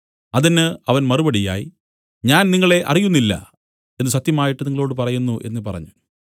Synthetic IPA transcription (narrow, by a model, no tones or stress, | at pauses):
ɐðinːɨɐʋɐnmɐrubɐɽija̰ːjḭ | ɲaːnniŋːɐɭe̞ʔɐ̰rijunːilːɐ̰ | enːɨsɐt̪jɐmaːjiʈːɨniŋːɐɭo̞ːɽɨpɐrɐjunːuʔe̞̰nːɨpɐrɐ̰ɲːu